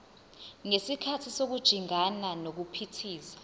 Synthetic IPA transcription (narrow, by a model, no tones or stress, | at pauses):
ŋesikʰatʰisok̬ud̥ʒ̥ʱiŋananok̬upʰitʰiːsḁ